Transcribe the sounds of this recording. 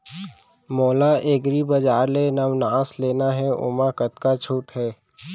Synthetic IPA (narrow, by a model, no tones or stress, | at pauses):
moːlaʔeːɡɾibɐd͡ʒaːɾlenəʋnaːsleːnaɦɛʊ̰makət̪kat͡ʃʰuːʈɦɛː